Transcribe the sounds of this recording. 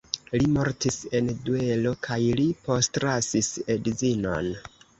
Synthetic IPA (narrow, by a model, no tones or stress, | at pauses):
limo̞ɾtisendue̞lo̞kʰajlipo̞stɾasisedizino̞̰n